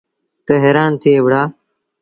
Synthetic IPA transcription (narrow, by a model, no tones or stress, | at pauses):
t̪əɦeːɾaːnt̪ʰiːeʋɽaː